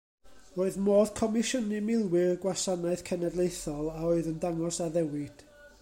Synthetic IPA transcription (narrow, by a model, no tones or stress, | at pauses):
roːɨðmoːð̥kʰɔmɪʃənɨmɪlˠwɪrɡwasanaɨθkʰɛnɛdlˠejθɔlˠaoːɨðəndaŋɔsaðɛwɪd̥